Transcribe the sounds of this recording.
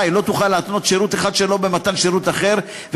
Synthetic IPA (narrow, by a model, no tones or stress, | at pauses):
jlo̞t̪uχalːeat̪no̞t̪ʃeʁut̪eχad̪ʃelo̞bemat̪anʃeʁut̪aχe̞ʁ | v